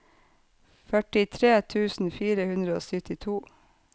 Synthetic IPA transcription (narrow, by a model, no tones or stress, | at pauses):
fœʈɪt̪ʰɾeːt̪ʰʉːsn̩fiːɾəhʉnd̪ɾəo̰ːsʏt̪ɪt̪ʰuː